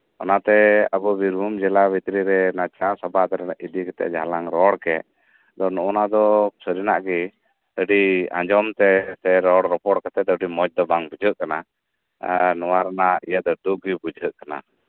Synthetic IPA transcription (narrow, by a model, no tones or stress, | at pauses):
ɔ̰nat̪ɛəbɔbiɾbʱumd͡ʒɛlabit̪ɾiɾɛnat͡ʃãsɔbat̪ɛɾɛnaʔid̪ikɛt̪ɛ̰ʔd͡ʒʱalaŋɾɔɽkɛ | d̪ɔnɔʔɔnad̪ɔsəɾinaʔɡi | əɖiã̰d͡ʒɔmt̪ɛsɛɾɔɽɾɔpɔɽkat̪ɛd̪ɔɖimɔt͡ʃ̚d̪ɔbaŋbud͡ʒʱəʔkana | nɔwaɾanaijad̪ɔɖuɡibud͡ʒʱəʔkana̰